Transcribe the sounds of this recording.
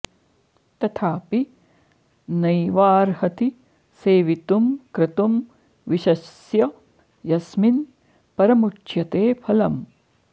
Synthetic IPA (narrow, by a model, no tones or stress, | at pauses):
t̪ɐt̪ʰaːpi | nɐjʋaːɾhɐt̪i | seːʋit̪umkɾɪt̪um | ʋiʃɐs | jɐ | jɐsmin | pɐɾɐmut͡ʃjɐt̪eːpʰɐlɐm